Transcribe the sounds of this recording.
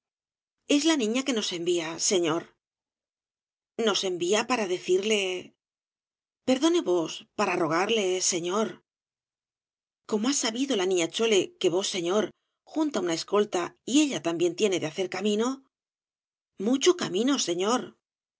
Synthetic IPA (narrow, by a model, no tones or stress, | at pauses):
e̞zlanĩɲake̞no̞se̞mbiase̞ɲo̞ɾ | no̞se̞mbiapaɾaðe̞θiɾle̞ | pe̞ɾðo̞ne̞βo̞spaɾaro̞ɣ̞aɾle̞se̞ɲo̞ɾ | ko̞moasaβiðo̞lanĩɲat͡ʃo̞le̞ke̞βo̞sːe̞ɲo̞ɾ | xunt̪aunae̞sko̞lt̪aie̞ʎat̪ambje̞nt̪je̞ne̞ðeaθe̞ɾkamĩno̞ | mut͡ʃokamĩno̞se̞ɲo̞ɾ